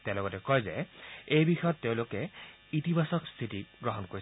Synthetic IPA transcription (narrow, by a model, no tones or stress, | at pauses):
teʊ̃lɔɡɔtɛkɔjzɛ̰ejbixɔjɔtːeʊ̃lʊkɛ | itibʱasɔkstʰitiɡɹɔɦɔnkoɹis